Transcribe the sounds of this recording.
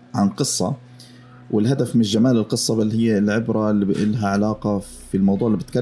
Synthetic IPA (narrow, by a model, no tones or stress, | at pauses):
ʕanqɨsˤːɑ̰ | wɪlɦad̪afmɪnʒamaːlɪlqɨsˤːɑbalːhɪjːlʕɪbɾˤɑʔɪlːɦaʕalaːqɑ | filmɑwd̪ˤuːʕɪlːibɪt̪ka